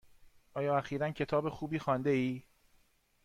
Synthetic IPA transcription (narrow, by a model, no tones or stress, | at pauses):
ʔɒːjɒːæxiːɾæncʰe̞t̪ʰɒːbe̞xuːbiːxɒːnd̪e̞iː